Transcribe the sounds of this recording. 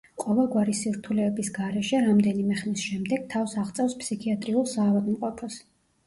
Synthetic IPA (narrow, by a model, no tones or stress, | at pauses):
qʼɔvɛlˠɡwaɾisiɾt̪ʰulɛbisɡaɾɛʃɛɾamd̪ɛnimɛχmisʃɛmd̪ɛɡ̥̚t̪ʰafsaʁt̪sʼɛfspsikʰiat̪ʼɾiulˠsaːvad̪mqʼɔpʰɔs